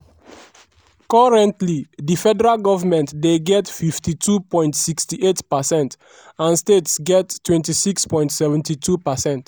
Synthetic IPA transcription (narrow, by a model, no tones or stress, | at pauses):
kɔɹɛ̃ntlidifɛdɛɹalɡɔvamɛ̃ntdeɡɛtfiftitʰupɔ̃j̃ntsikstiʔetpasɛ̃nt | ãnstetsɡɛtːwɛ̃ntisikspɔ̃j̃ntsɛvɛ̃ntitʰupasɛ̃nt